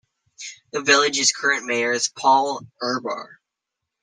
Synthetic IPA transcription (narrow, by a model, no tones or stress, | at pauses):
ðɨvɪlˠɨd͡ʒɨz̥kʰɜ˞ɨ̃nmeɪə˞z̥pʰɔlˠɜ˞bɑ̰ɹ